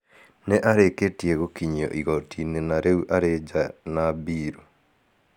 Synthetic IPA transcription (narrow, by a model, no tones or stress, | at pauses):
neʔaɾeketieɣokiɲɔ̰ʔiɣɔtʰinenaɾʔeuʔaɾed͡ʒanabiːɾu